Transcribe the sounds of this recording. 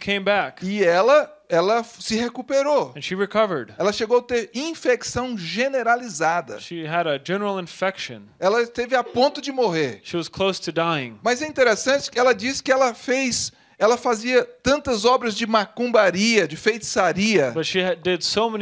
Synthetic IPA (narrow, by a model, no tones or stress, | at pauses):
kʰẽɪ̃mbækɪɛlɐ | ɛlɐsɪhekupeɾoɨ̃nʃiɹɨkʰʌvə˞d̥ɛlɐʃeɡowat̪eɾĩfeksɐ̃w̃ʒeneɾalizad̪ɐ̰ʃiɨɾɨd͡ʒɛnə˞l̩ˠɪ̃ɱfɛkʃɨ̰̃n | ɛlɐɪst̪evɪapõnt̪ʊd͡ʒɪmoɦeɾʃiwʌz̥kʰl̥oʊstʰɨdaɪɪ̃ŋmɐzɛĩnt̪eɾesɐ̃t͡ʃɪ̥kɪɛlɐd͡ʒisɪ̥kɪɛlɐfejs | ɛlɐfaziɐt̪ɐ̃nt̪ɐzɔbɾɐzd͡ʒɪmakũbaɾiɐd͡ʒɪfejt̪ɪ̥saɾiɐb̥ʌtʃidɪdsoʊmɛ